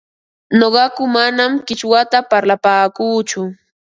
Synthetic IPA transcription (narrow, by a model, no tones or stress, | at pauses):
noɢɑkʊmanamkɪt͡ʃwat̪apaɾlapaːkuːt͡ʃʊ